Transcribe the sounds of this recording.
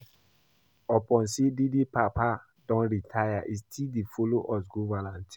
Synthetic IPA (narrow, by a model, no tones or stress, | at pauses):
ɔpɔ̃nsididipapa | dɔ̃nɾitʰajaʔistʰildifoloʔɔs̬ɡovãnãnt